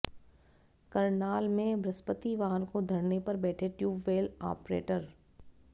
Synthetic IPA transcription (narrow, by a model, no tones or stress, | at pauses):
kɐɾnaːlmẽbɾɐspət̪iʋaːɾkod̪ʱɐɾnepɐɾbɛːʈʰeʈjuːbʋeːla̰ːpɾḛːʈəɾ